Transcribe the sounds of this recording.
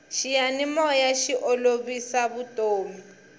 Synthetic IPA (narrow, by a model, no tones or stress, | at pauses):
ʃijanimɔjaʃiʔɔloβisaβutʼoːmi